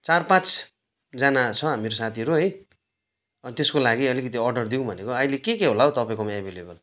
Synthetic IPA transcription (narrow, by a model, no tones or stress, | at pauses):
t͡sarpãt͡s | d͡zanat͡sʰʌameɾosat̪ʰiʌɾuɦʌj | ʌnt̪eskolaɡiʌlikʌt̪̬iʌrɖʌrd̪iw̃bʱʌnekoajlekekeɦolaɦot̪ʌpaĩkomaebʱelebʌl